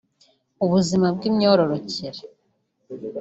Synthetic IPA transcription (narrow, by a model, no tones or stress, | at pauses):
uβuzimabɡimɲoːɾoɾociɾe